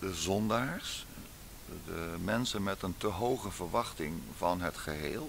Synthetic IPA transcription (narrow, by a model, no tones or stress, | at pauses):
dəzɔndaːɹs | dəmɛnsənmɛtəntəɦowχəvəɹʋɑχtɪŋvɑnɦətχəɦḛːlˠ